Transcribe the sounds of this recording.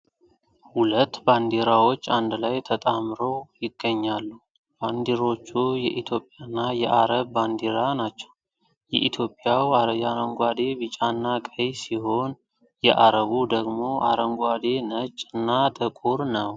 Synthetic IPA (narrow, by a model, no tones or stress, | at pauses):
hulət̪ːband̪eɾawo̞t͡ʃːand̪lajt̪ʰət̪ʼamɾo̞jɪɡːəɲːalːu | b̥and̪iɾo̞t͡ʃːujɛʔit̪ʰjo̞pʼjanːajɛʔa̰ɾəβːand̪iɾanat͡ʃːɛ̥w | jɛ̰ʔit̪ʰjo̞pʼjawajaɾəŋɡʷad̪e̞βɨt͡ʃʼanːakʼəjsiho̞n | jɛʔaɾəβud̪əɡmo̞ʔa̰ɾəŋɡʷad̪e̞nət͡ʃʼːɨnːat̪ʼɨkʼuɾnəw